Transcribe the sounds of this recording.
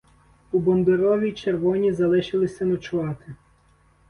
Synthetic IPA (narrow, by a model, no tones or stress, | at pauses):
ubɔnd̪ɪɾɔʋʲit͡ʃerʋɔnʲizɐlˠɪʃɪlˠɪsʲɐnɔt͡ʃʊʋɑt̪ɪ